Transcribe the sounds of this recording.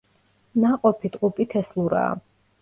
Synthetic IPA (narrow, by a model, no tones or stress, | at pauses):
naqʼɔpʰit̪ʼqʼupʼit̪ʰɛslˠuɾa̰ː